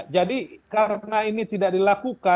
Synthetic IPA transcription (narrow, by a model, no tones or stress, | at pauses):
d͡ʒadikaɾənainit̪idak̚dilakuka